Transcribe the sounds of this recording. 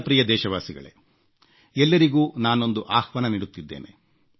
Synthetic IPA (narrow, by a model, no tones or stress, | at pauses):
pɾiːjɐd̪ɛːʃɐʋaːsiɡɐ̰ɭe̞̰ | ɛlːɐɾiɡuːnaːno̞nd̪uʔaːhʋɐnɐniːɽut̪ːid̪ːe̞̰ːnḛ